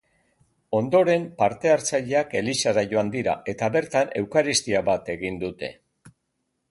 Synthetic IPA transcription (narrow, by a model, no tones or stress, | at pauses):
o̞nd̪o̞ɾe̞mpaɾt̪e̞aɾt͡saʎe̞ake̞lisaɾaʝo̞and̪iɾa̰ʔe̞t̪aβe̞ɾt̪ane̞wkaɾist̪iaβat̪e̞ɣind̪ut̪e̞̰